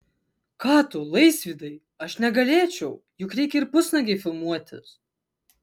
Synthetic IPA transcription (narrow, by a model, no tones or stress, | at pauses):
kɑːt̪ʊlˠɐɪsʲʋʲiːd̪ɐɪ | ɐʃnʲɛɡɐlʲeːt͡ʃʲɛʊ | jʊkɾʲɛɪkʲɪɾpʊsnɐɡʲeɪfʲɪlˠmuɔt̪ʲɪ̰s